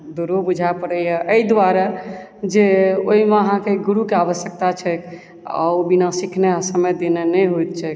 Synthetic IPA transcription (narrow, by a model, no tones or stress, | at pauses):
d̪uɾobud͡ʒʱapəɽəɦɛʔəid̪aɾa | d͡ʒeoɦimeəɦãkeɡuɾukeaβəsjək̚t̪at͡ʃʰɛk | a̰binasikʰneasəməjd̪enenɛɦot̪̚t͡ʃʰɛk